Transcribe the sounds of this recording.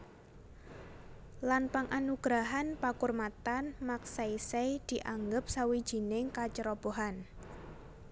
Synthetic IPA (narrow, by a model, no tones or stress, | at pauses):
lanpaŋʔanuɡ̥ɾaɦanpakʊrmat̪anmaksaisejd̪̥i̤ʔaŋɡʊp̚sawid̥ʒ̥i̤nɪŋkat͡ʃəɾɔb̥oɦan